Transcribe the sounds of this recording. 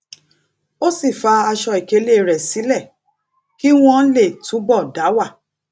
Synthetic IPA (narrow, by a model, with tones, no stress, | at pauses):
o˦si˦˨fa˧a˧ʃɔ˧i˨ke˨˦le˦˨ɾɛ˨si˨˦lɛ˦˨ | ki˦w̃ɔ̃˦le˦˨tũ˨˦bɔ˦˨da˨˦wa˦˨